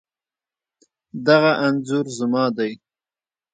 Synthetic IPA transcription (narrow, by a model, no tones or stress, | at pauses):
d̪aɣaʔanzʊɾzəmɑd̪aj